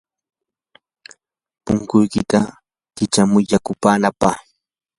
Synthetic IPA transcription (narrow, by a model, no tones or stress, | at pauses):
pʊŋkʊjkɪt̪a | k̪ɪt͡ʃamʊjʎakʊpaːnapaχ